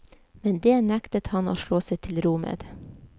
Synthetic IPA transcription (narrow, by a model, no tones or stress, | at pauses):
mɛnd̪eːnækt̪ət̪hɑno̰ːʃɭoːseɪt̪ʰɪlɾuːmə̰d̪̥